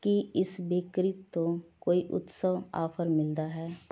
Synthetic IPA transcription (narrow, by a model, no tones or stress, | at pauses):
kiɪsbɪkɾɪt̪ːokoːiʔʊ̰t̪səʋa̰ːfʰəɾmɪld̪aɦɛː